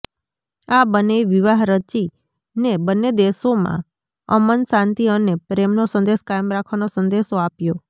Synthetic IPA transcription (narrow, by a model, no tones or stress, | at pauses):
abəneiʋiʋaɦɾət͡ʃi | nebənːed̪esomã̰ | ə̰mənsãnt̪iənepɾemnosənd̪eʃkajmɾakʰʋanosənd̪eʃoapjo